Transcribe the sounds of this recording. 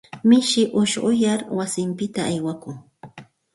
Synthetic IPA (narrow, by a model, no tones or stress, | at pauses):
mɪʃɪʔʊʃɢʊjaɾwasɪmpɪt̪aːjwakʊŋ